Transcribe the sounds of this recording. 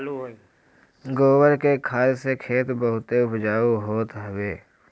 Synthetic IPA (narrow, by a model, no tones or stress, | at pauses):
ɡoːwəɾkekʰaːɾsekʰeːt̪bəɦʊt̪eʊpd͡ʒaːuɦoːt̪ɦəbeː